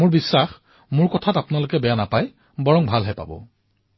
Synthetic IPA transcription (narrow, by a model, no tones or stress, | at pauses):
mʊɹbisːax | mʊɹkɔtʰatapʊnalʊkɛbɛjanapaj | bɔɹɔŋbʱalɦɛpa̰bɔ̰